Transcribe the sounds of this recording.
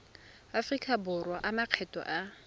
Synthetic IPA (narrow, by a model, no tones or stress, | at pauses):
afrikʼabʊrwaʔamaq͡χʰɛtʼɔ̰ʔa